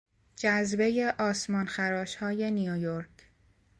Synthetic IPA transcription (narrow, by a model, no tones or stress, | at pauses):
d͡ʒæzbe̞je̞ʔɒːsmɒːnxæɾɒːʃhɒːje̞nijojo̞ɾkʰ